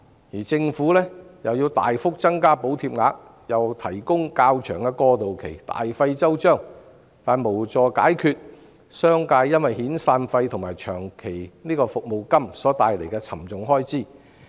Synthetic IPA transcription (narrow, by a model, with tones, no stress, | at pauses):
jiː˨˩t͡sɪ˧ŋfuː˨˥lɛː˥jɐ˨wjiː˧wt̪a̰ː˨jfʊ˥k̚t͡sɐ˥ŋkaː˥po˨˥wt̪ʰiː˧p̚ŋaː˨˧k̚ | jɐ˨wt̪ʰɐ˨˩jkʊ˥ŋkaː˧wt͡ʃʰœː˨˩ŋkɛː˧kɔː˧t̪o˨wkʰe˨˩jt̪a̰ː˨jfɐ˧jt͡sɐ˥wt͡ʃœː˥˩ŋ | t̪aː˨nmo˨˩wt͡sɔː˨ka̰ː˨˥jkʰyː˧t̚ | sœː˥ŋkaː˧jjɐ˥nwɐ˨jhiː˨˥nsaː˧nfɐ˧jt̪ʰʊ˨˩ŋmaː˨˩jt͡ʃʰœː˨˩ŋkʰe˨˩jniː˥kɔː˧fʊ˨k̚mo˨wkɐ˥msɔː˨˥t̪aː˨˧jle˨˩jkɛː˧t͡sʰɐ˨˩mt͡sʊ˨ŋɦɔː˥jt͡siː˥˩